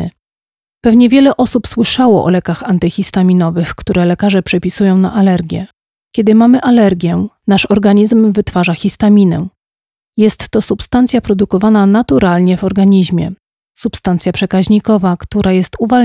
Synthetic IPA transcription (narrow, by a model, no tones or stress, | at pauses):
pɛvɲɛvʲjɛlɛʔɔsupswɘʂawɔ̰ʔɔ̰lɛkaxant̪ɘxʲist̪amʲinɔvɘxkt̪uɾʔɛlɛkaʐɛpʂɛpʲisujɔ̃w̃na̰ʔalɛɾɡʲjɛ̰ | kʲɛd̪ɘmamɘʔalɛɾɡʲjɛnaʂɔɾɡaɲizmvɘt̪faʐaxʲist̪amʲinɛ̰ | jɛst̪ːɔsupst̪ant̪sʲjapɾɔd̪ukɔvananat̪uɾʔalɲɛvɔɾɡaɲiʑmʲjɛ̰ | supst̪ant̪sʲjapʂɛkaʑɲikɔvakt̪uɾʔajɛst̪uva